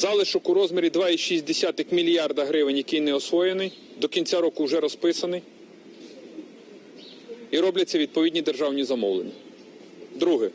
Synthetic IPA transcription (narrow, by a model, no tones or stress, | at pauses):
zɑlˠɪʃɔkʊɾɔzmeɾʲid̪ʋɑiʃisʲd̪esʲat̪ɪxmʲilʲjɑrd̪ɐɦɾɪʋɪnʲjɐkɪjnɛɔsʋɔjenɪj | d̪ɔkʲinʲt͡sʲaɾɔkʊwʒɛɾɔspɪsɐnɪj | iɾɔblʲɐtʲt͡sʲːɐʋʲid̪̚pɔidʲnʲid̪erʒɑwnʲizɐmɔwlˠḛnʲːɐ | d̪ɾuɦɪ